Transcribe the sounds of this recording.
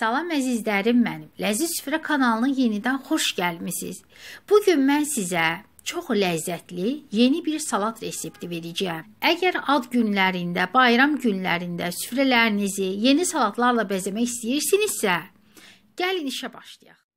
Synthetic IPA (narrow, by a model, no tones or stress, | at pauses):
d̪̥ɑlˠɑmæzizlæɾimːænimlæzisy̥fɾækʰɑnɑlˠɯnɯnje̞nid̪ænxo̞ʃɟælmisḭz̥b̥uɟynmænsizæ | t͡ʃʰo̞χlæzːæt̪ʰlije̞nibiɾsɑlˠɑt̪ʰɾe̞se̞pt̪ʰive̞ɾæd͡ʒæjæmæɟæɾɑd̪ɟynlæɾind̪æbɑjɾɑmɟynlæ̰ɾind̪æsy̥fɾælæɾinizije̞nisɑlˠɑt̪ʰlˠɑɾlˠɑbæzemæçist̪ijiɾsiniz̥sæ | ɟ̥æliniʃæbɑ̰ʃlˠɯjɑχ